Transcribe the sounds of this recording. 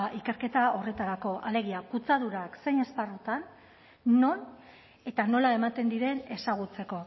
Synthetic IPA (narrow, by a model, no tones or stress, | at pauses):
ʔike̞ɾke̞t̪ao̞re̞t̪aɾako̞ʔale̞ɣ̞iakut͡saðuɾakse̞ɲe̞sparut̪anː | o̞n | e̞t̪ano̞lae̞mat̪e̞nd̪iɾe̞ne̞saɣ̞ut͡se̞ko̞